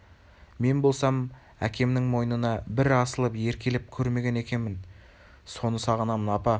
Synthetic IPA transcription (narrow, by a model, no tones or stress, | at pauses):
me̞nbo̞lˠsɑm | ækʲe̞mnɪŋmo̞jənənɑbɪɾɑsəlˠəpje̞ɾkʲʰe̞lɪp̚kʲʰɵɾme̞ɡʲe̞ne̞kʲe̞nmɪn | so̞nəsɑʁənɑmənɑpɑ